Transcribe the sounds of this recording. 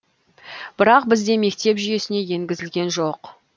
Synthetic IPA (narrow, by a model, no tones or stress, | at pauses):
b̥ɪɾɑq̚bɪzd̪e̞me̞k̚t̪e̞pʒʏje̞sɪne̞je̞ŋɡʲɪzɪlɡʲe̞nʒoq